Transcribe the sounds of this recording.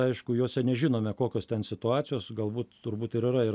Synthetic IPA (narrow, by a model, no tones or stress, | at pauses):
ɐɪʃkʊjoːsʲɛnʲɛʒʲɪnoːmʲɛkoːkʲoːst̪ʲɛnsʲɪt̪ʊɑːt͡ssʲɪjoːsɡɐlˠbuːt̪tʊrbuːt̪ɪɾɪɾɐɪ